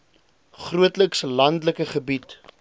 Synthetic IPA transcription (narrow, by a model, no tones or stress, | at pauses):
χruətləkslɐndləkəχəbit